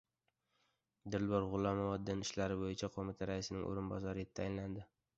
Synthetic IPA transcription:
d̪ɪɾlbɒɾʁʊlˠamɒvɒd̪ːɪnɪʃlaɾɪbojɪt͡ʃʰaqʰomɪt̪ʰaɾaɪsɪnɪ̰ŋʔo̰ɾɪnbɒzaɾɪt̪ʰːajɪnland̪ɪ

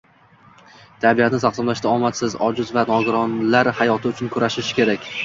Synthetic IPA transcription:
t̪ʰabijat̪nɪsʰaqsɒmlaʃt̪aɒmat̪sɪzɒd͡ʒʊzvanɒɡɪɾɒnlaɾhajɒt̪ʰɪʊt͡ʃʰʊnkʰʊɾaʃɪʃkʲe̞ɾakʲ

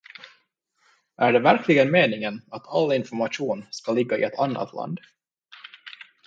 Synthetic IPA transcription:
ʔæɖɛvæɾkʰlɪɡənmeːnɪŋənat̪ʰalːɪnfɔɾmaʂuːnskalɪɡːaɪ̰ɛt̪ʰanːa̰t̪ʰlʔa̰nd̪

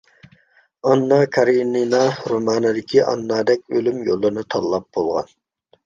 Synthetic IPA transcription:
ɑnːɑkʰɑɾininɑɾomɑːnɨd̪ɪkʲʰiʔɑ̰nːɑːd̪ɛk̚ʲølymjolˠːɨɾnɨt̪ʰɑlˠːɑp̚b̥olˠʁɑ̰n

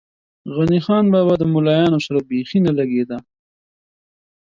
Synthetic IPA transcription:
ɣanixɑnbabad̪əmʊlɑjɑnosaɾabexinalaɡed̪a

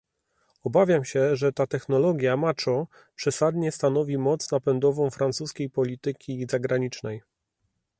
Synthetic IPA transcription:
ɔbavʲjamɕɛʐɛt̪at̪ɛxnɔlɔɡʲjamat͡ʂɔ | pʂɛsad̪ɲɛst̪anɔvʲimɔt̪snapɛnd̪ɔvɔ̃w̃fɾant̪suskʲejpɔlʲit̪ɘkʲizaɡɾaɲit͡ʂnɛj

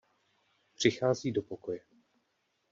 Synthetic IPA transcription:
pr̝̥ɪxaːziːdo̞pokojɛ

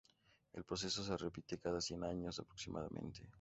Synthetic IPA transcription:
elpɾo̞s̬e̞so̞s̬erepit̪ekaðasje̞naɲo̞sapɾoksimʔa̰ða̰mḛ̃nt̪e

